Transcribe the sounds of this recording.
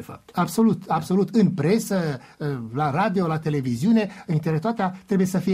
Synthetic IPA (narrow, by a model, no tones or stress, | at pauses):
efa̰pt̪abso̞lut̪abso̞lut̪ɨnpɾe̞sə | laɾad̪io̞lat̪e̞le̞viziune̞ɨnint̪eɾet̪oat̪eat̪ɾe̞buje̞səfije